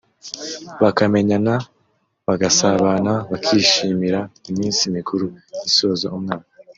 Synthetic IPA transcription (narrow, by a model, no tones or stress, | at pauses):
βakame̞ɲana | βaɡasaβanaβakʰiːʃiːmiɾaimiːnsimikʰuɾujiso̞ːzo̰umŋaːkḁ